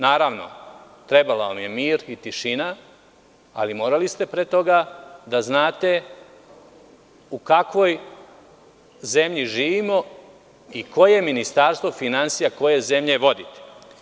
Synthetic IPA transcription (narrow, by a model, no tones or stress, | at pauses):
naːɾaʋno̞̰ | t̪ɾe̞balaʋamje̞miːɾit̪iʃina | a̰limo̞ːɾalist̪e̞pɾet̪o̞ɡad̪aznaːt̪e̞ | ukakʋo̞j | ze̞mʎiʒiːʋimo̞ | iko̞je̞minist̪aɾst̪vo̞finansijako̞je̞ze̞mʎe̞ʋo̞d̪it̪e̥